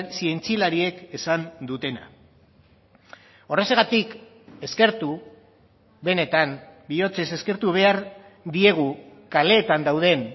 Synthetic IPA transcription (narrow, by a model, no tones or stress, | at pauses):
sie̞nt͡silaɾie̞ke̞sand̪ut̪e̞na̰ | o̞re̞seɣat̪ik | e̞ske̞ɾt̪u | βe̞ne̞t̪ambio̞t͡se̞se̞ske̞ɾt̪uβ̞e̞aɾ | d̪ie̞ɣ̞ukale̞ːt̪and̪awð̞e̞n